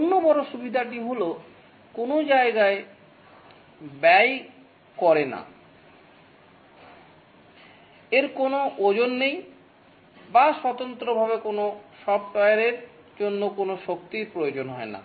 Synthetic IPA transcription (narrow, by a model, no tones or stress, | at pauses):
nːobɔɾoʃubid̪ʱaʈ̬iɦolo | konod͡ʑaeɡae | bɛj | kɔɾena̰ | eɾkonoʔod͡ʑonːej | baʃɔt̪ont̪ɾobʱaβekonoʃɔb̚t̪ɔjaɾeɾ | d͡ʑonːokonoʃokt̪iɾpɾojod͡ʑonɦɔena̰